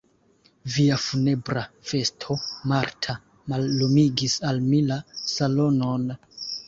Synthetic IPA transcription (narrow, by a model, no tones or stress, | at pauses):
viafune̞bɾafe̞stʰo̞maɾtʰa | malːumiɡisalmilasalo̞no̞n